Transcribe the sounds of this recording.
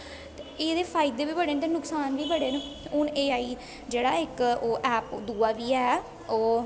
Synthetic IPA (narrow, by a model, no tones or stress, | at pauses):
t̪eeːd̪eːpʰaːɪd̪eːbiːbəɽeːnt̪eːnʊksaːnʋiːbəɽeːnʊneːaːiː | d͡ʒeːɽa̰ːɪkoːʔɛːpd̪uːaːʋiːɛː | oː